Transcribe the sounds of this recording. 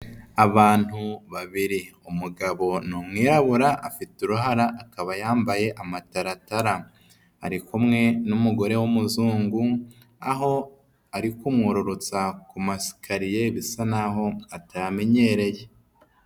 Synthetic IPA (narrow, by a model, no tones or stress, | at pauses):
aβaːn̥huβaβiɾiumuɡaβo̞nuːmŋiːɾaβuɾaʔːfituɾuɦaɾaʔːkaβajaːmbaje̞ʔamataɾataɾa | a̰ɾikumŋe̞numuɡo̞ɾe̞wumuzuːŋɡu | aɦo̞ | aɾikumŋuɾuɾut͡sakumasi̥kʰaɾije̞βisanaɦo̞atajame̞ɲe̞ɾe̞je̞